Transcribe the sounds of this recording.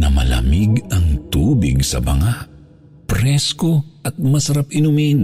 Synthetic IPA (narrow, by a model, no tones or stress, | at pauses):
nɐmɐ̰lɐ̰mɪɡɐŋt̪uːbɪ̰ɡsɐ̰bɐ̰ŋaʔ | pɾɛskoʔɐt̪̚mɐsɐɾapɪnʊmin